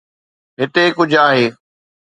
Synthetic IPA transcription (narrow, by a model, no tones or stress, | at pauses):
ɦɪt̪ekʊd͡ʑʱaːɦeː